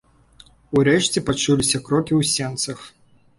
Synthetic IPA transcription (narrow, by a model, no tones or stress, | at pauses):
uɾɛʂt͡sʲɛpat͡ʂulʲisʲɐkɾɔkʲiwsʲɛnt̪sɐx